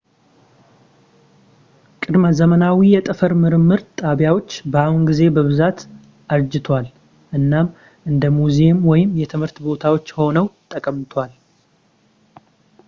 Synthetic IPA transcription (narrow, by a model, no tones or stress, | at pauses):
kʼɨd̪məzəmənawijɛt̪ʼɨfəɾmɨɾɨmːɨɾt̪ʼaβjawo̞t͡ʃːbəahunɡize̞bəβɨzat̪ | ʔaɾd͡ʒɪt̪ʰwal | ʔɨnːam | ʔɨnd̪əmuzemwɔjɪmjɛt̪ʰɨmhɨɾt̪bo̞t̪ʰawo̞t͡ʃːho̞nəwt̪ʼəkʼəmt̪ʰwal